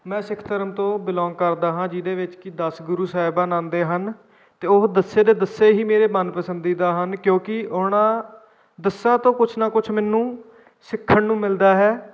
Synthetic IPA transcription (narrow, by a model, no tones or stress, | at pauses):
mɛ̃ːsɪkʰt̪əɾəmt̪õːbɪlɔ̃ːŋɡ̚kəɾd̪aːɦãːd͡ʒid̪eːʋɪt͡ʃkɪd̪əsɡʊɾuːsaːɪbaːnãːnd̪eːɦən | t̪eːʊɦd̪əsːeːd̪eːd̪əseːɦiːmeːɾeːmənpəsənd̪iːd̪aːɦənkjõːkɪʔoːɳãː | d̪əsaːt̪õːkʊt͡ʃʰnaːkʊt͡ʃʰmɛːnũː | sɪkʰːəɳnũːmɪld̪aːɦɛː